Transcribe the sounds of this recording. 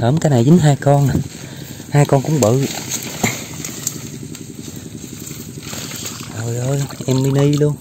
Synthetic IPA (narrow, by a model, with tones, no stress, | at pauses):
həː˧˩mkaː˨˦jna˨˩jzɨ̈˨˦ŋɦaː˧jkɔ˧n˨ | haː˧jkɔ˧nkʊ̰˧˥˦ŋ͡mɓə̰˧˨ | ʔəː˨˩jʔəː˧jʔɛ˧mmi˧˦ni˧lu˧ən